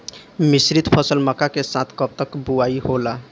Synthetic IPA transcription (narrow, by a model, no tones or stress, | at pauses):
misɾit̪pʰəsəlməkakesãt̪ʰkəp̚t̪əkbuaiɦola